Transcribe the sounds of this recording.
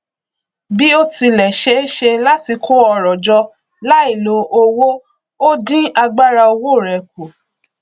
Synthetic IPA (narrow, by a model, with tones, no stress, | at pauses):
bi˦o˦ti˧lɛ˨ʃe˦ʃe˧la˦ti˧kʰo˦ɔ˧ɾɔ˨d͡ʒɔ˧ | la˦i˦˨lo˧o˧wo˦ | o˦dĩ˦a˧ɡ͡ba˦ɾa˧o˧wo˦˨ɾɛ˨ko˨